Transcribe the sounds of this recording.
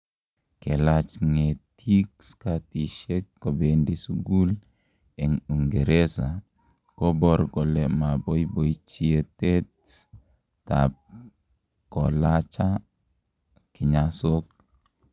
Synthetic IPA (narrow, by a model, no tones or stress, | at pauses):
kelat͡ʃŋetʰikskatiʃekːobendisuɡul | eŋuŋɡeɾesa | kobɔɾɡɔlemabojboit͡ʃietetː | a̰p̚ | kɔlat͡ʃa | kɪɲasok̚